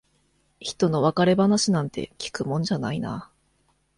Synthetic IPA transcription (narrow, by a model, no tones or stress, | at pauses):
çi̥t̪o̞no̞βakaɾe̞banaɕinãnt̪e̞̰kʲi̥kɯ̟mõ̞ɲd͡ʑana̰ina̰